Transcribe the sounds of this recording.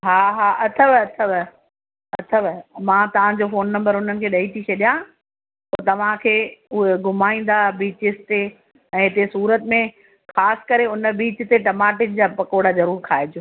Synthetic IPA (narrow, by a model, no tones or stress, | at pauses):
ɦaːɦaːʔɐt̪ʰəʋɐt̪ʰəʋ | ɐt̪ʰəʋmãːt̪ɐʋ̤ãd͡ʑoːfoːnːɐ̃mbəɾʊn̤ənɪ̆kʰeːɗɐit̪ʰiɕɐɗijã | poːt̪ɐʋ̤ãkʰeːʊɦeɡʊmaːĩːn̆d̪abiːt͡ɕɪsɪt̪e | ɛ̃ːɦɪt̪esuːɾət̪mẽ | xaːsɪ̥kɐɾeʊnəbiːt͡ɕt̪eʈɐmaːʈɪd͡ʑd͡ʑaːpɐkoːɽazɐɾuːɾkʰaːed͡ʑoː